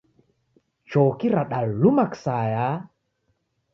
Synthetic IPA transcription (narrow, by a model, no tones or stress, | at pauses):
t͡ʃɔkiɾaɗalumaksaja